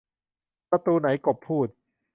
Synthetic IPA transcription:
pɾa˧t̪uː˧na˩˦jko˨˩pʰːuː˥˩t̪̚

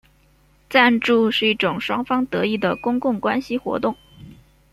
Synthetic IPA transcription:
t͡sa˥˧nʈ͡ʂu˥˧ʂɻ̩˥˩i˥˩ʈ͡ʂʊ˨˩ŋʂwɑ˥ŋfɑ˥ŋt̪ɤ˧˥i˥˩d̪ə˩kʊ˥ŋkʊ˥˩ŋkwa˥nɕi˨xwɔ̰˧˥t̪ʊ˥˩ŋ

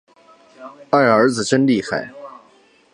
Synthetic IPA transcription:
a˥˩ə˞˧˥d͡zɹ̩˨˩ʈ͡ʂə˥nli˥˩xa̰˨˩ɪ

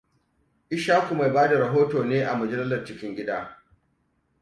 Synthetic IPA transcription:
ʔɪ˦ʃaː˦kʷu˨ma˨jbaː˦da˨ɾɐ˨ɦoː˦toː˨neː˦ʔa˨mʊ˨d͡ʒɐ˦lɪ˦zɐ˨rt͡ʃɪ˦kʲɪ˦ŋɡʲɪ˦daː˦

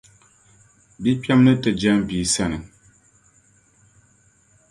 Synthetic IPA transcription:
bi˦pja˦mnə˦tə˨d͡ʒa˦m˨vi˨sɛ˦˨nə˨ŋ

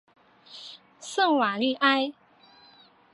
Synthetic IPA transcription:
sə˥˩ŋwa˨˩ly˥˩ʔa˥ɪ

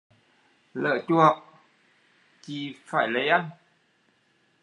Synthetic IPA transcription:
lə̰ː˧˨t͡ɕu˧˩ɦə˨˩w̚ | t͡ɕi˧˩faː˧˩jlə˨˦jʔa˧n

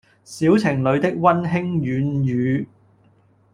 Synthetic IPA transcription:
siː˨˥wt͡sʰɪ˨˩ŋlɵ˨˧ɥt̪ɪ˥k̚wɐ˥nɦɪ˥ŋjyː˨˧njyː˨˧

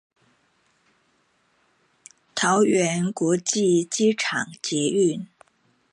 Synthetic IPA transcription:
t̪ʰɑ˧˥ʊɥɛ˧˥nkwɔ˧˥t͡ɕi˥˩t͡ɕi˥ʈ͡ʂʰɑ̰˨˩ŋt͡ɕjɛ˧˥y˥˩n

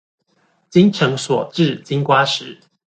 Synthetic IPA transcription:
t͡ɕi˦ŋʈ͡ʂʰɤ˧˦ŋswɔ˨˩ʈ͡ʂɻ̩˥˨t͡ɕi˦ŋkwa˦ʂɻ̩˨˦

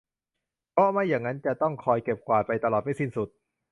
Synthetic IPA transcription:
pʰɔ˦˥ma˥˩jːaː˨˩ŋːa˦˥nt͡ɕa˨˩t̪ɔ˥˩ŋkʰɔː˧jke˨˩p̚kwaː˨˩t̪̚pa˧jt̪a˧lɔː˨˩t̪̚ma˥˩si˥˩nsu˨˩t̪̚

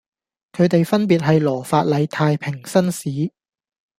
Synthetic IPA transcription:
kʰɵ˨˧t̪e˨jfɐ˥npiː˨t̚ɦɐ˨jlɔː˨˩faː˧t̚lɐ˨˧jt̪ʰaː˧jpʰɪ˨˩ŋsɐ˥nsiː˨˥

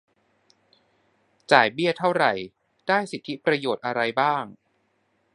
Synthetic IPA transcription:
t͡ɕaː˨˩jbi˥˩ɐt̪ʰa˥˩wɾa˨˩j | d̥aː˥˩jsi˨˩t̪ʰi˦˥pɾa˧joː˨˩t̪̚ʔa˧ɾa˧jbaː˥˩ŋ

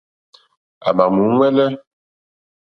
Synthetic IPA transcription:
a̰˨ma˨mu˨˦ŋwɛ˦lɛ˦

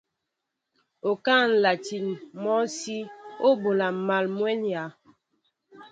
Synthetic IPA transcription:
o˨ka˦˨n̩˨la˨ti˨nmɔ˦si˦o˦bo˨la˨ma˨lmwɛ˦nja˨˦

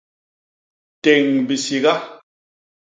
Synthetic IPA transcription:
te˨ŋbi˨si˨ɣa˦

